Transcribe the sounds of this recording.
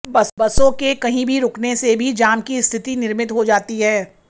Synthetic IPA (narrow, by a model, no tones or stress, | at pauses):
bɐsbɐsõkekɐɦĩbʱiɾʊknesebʱid͡ʒaːmkist̪ʰɪt̪inɪɾmɪt̪ɦod͡ʒaːt̪iɦɛː